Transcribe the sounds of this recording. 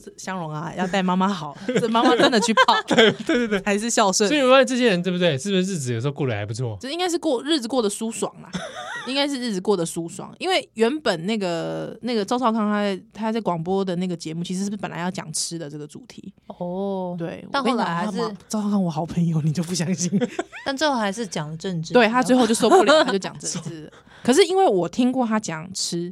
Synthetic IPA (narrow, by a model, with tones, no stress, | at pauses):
ɕjɑ˥ŋɻʊ˧˥ŋɐ˨jɑ˥˧ʊt̪a˥˩ɪma˥ma˧xɑ˨˩˦ʊə˥˩ma˥ma˥ʈ͡ʂə˥˦nd̪ə˨t͡ɕʰy˥˩pʰɑ˥˩ʊt̪a˥˩ɪt̪we˥˧t̪we˥˧t̪a˧˥ɪʂ̬ɻ̩˥˧ɕjɑ˥˧ʊʂwə˥˧ɔ˧˥i˨wwa˥˧ɪʈ͡ʂɤ˥˩ɕjɛ˥ɻə˧nt̪we˥˩bu˨t̪we˥˩ɪʂ̩˥˩˥ɻ̩˥˩t͡sɹ̩˨˩js̩o˧˥o˧kwɔ˥˧lə˨˩xa˧˥ɪpu˧˥t͡sʰwɔ˥˩˥i˦ŋɡa˥ʂ̬ɻ̩˥˧kwɔ˥˧ɻɻ̩˥˩t͡sɹ̩˨˩kwɔ˥˩d̪ə˩su˥swɑ̰˨˩ŋlɐ̰˦i˥ŋka˥ɪʂ̬ɻ̩˥˧ɻ̩˥˩t͡s̩˩kwɔ˥˩d̪ə˩su˥swɑ̰˨˩ŋi˥nwe˥˩ɪɥɛ˧˥npə˨˩nna˥˩ɡə˩na˥˩ɡə˩t͡sɑ˥ʊɑ˥˧ʊkʰɑ˥˧ŋtʰa˥˩ɪt̪ʰa˥˧t͡skwɑ˨˩ŋpwɔ˥d̪ə˨na˥˩ɡə˩t͡ɕjɛ˧˥mu˥˩t͡ɕʰi˧˥ʂ̬ɻ̩˧˥ʂ̩˥˩pə˨˩nla˧˦jɑ˥˩t͡ɕjɑ̰˨˩ŋʈ͡ʂʰɻ̩˥d̪ə˨˩ʈ͡ʂə˥˩ɡə˩t͡su˨˩t̪ʰḭ˧˥˦ɔ˥t̪we˥˩ɪwɔ̰˨a˥˧˥a˧˦˥ɑ˥˧kʰɑ˥˩ŋwɔ˨˩xɑ˨˦ʊpʰə˧˥ŋjo˨˧ʊni˨˩t͡ɕjo˥˧p̬u˥˩ɕjɑ˥ŋɕi˥nt̪a˥˧nʈ͡ʂə˥˧xo˥˩xa˧˥ɪʂɻ̩˥˩t͡ɕjɑ˨˩ŋd̪ə˩ʈ͡ʂə˥˧nʈ͡ʂ̩̪˧we˥˩ɪt̪ʰa˥t͡swe˥˧xo˥˧ʊjo˥˧ʊs̬o˥˧pu˥˧ljat͡ɕo˥˧ʊt͡ɕjɑ˨˩ŋʈ͡ʂə˥˧˩t͡sɹ̩˥˩lə˨˩ | kʰə˨˩ʂ̬ɻ̩˥˩i˥nwe˥˩ɪwɔ˨˩t̪ʰi˥ŋkwɔ˥˩t̪ʰa˥t͡ɕjɑ˨˩ŋʈ͡ʂ̩ʰ˥